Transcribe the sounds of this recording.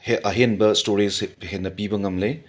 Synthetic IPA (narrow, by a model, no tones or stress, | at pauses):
heʔɐɦenbɐstoɾishenːɐpibɐŋɐmle